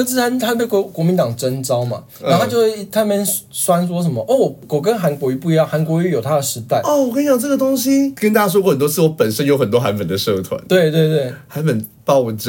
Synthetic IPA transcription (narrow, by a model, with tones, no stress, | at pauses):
ə˥˩t͡s̩ʰ˥˩a˥nt̪ʰa˥˩pe˥˩ɪkɔ˧˥˩kwɔ˧˥mi˧nt̪ɑ˨˩ŋʈ͡ʂə˦˥nt͡sɑ˥ʊma̰˨na˧˥˨t͡ɕjxwe˥˩t̪ʰa˥˧mɛ˥nswa˥nswɔ˥ʂ̬ə˨˧˦nmə̰˨˧ʔɔ˥˩wɔ˨˩ko˨˩kə˦nxa˧˥nkwɔ˧˥y˧˥pu˥˨i˧˥jɑ˥˨ŋxa˧˥nkwɔ˧˥y˧˥jo˨˩t̪ʰa˥d̪ə˨ʂɻ̩˧˥t̪a˥˩ɪɔ˥˨˩wɔ˨˩kʰa˥jɑ˨˩ʊʈ͡ʂə˥˩ɡə˩t̪o˥ŋɕi˧kə˥nt̪a˥˩t͡ɕja˥ʂwɔ˥wɔ˥˩xə˨˩nt̪wɔ˥t͡sʰɹ̩˥˨˩wɔ˥pə˨˩nʂə˥njo˧˥ʊxə˨˩nt̪wɔ˥xa˧˦˥npə˨˩nd̪ə˩˦ʂɤ˥˧ʊt̪ʰwa̰˧˦nt̪we˥˩ɪt̪we˥˧ɪt̪we˥˩ɪxa˧˦˥npə˨˩n | p̪ɑ˥˧ʊwʈ͡ʂ